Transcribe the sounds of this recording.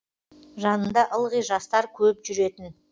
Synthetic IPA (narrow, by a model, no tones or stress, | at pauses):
ʒɑnənd̪ɑʔəlˠʁijʒɑst̪ɑɾkʲʰɵpʒʏɾe̞t̪ɪn